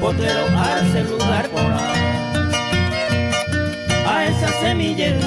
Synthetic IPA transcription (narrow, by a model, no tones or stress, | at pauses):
pot̪eɾoaseɣuɡaɾpoɾa | aesasemiʎe